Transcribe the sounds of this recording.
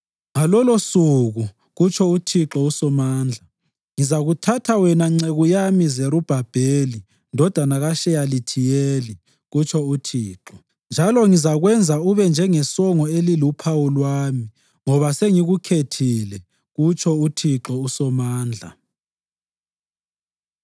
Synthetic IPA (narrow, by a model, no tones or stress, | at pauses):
ŋalɔlosuɣu | ɣut͡ʃʰɔutʰiǁɔusɔmaːnd͡ɮʱa | ŋizaɣutʰatʰawɛnaŋ͡ǀeɣujamizeɾub̥ʱab̥ʱeːli | ndʱɔd̥ʱanaɣaʃɛjalitʰijeːli | ɣut͡ʃʰɔutʰiːǁɔ | nd͡ʒʱalɔŋizaɣwɛnd͡zʱauβɛnd͡ʒʱɛŋɛsɔŋɔelilupʰawulwaːmi | ŋɔβaseŋiɣukʰetʰilɛ | ɣut͡ʃʰɔutʰiǁɔusɔmaːnd͡ɮʱa̰